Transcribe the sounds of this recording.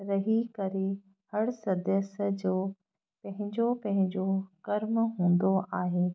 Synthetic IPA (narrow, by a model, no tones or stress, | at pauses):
ɾɐɦikɐɾe | hɐɽsɐd̪əsd͡ʑoː | pɐ̃ɦɪ̃ɲd͡ʑopɐ̃ɦɪ̃ɲd͡ʑokɐɾmɦũːn̆d̪oʔaːɦeː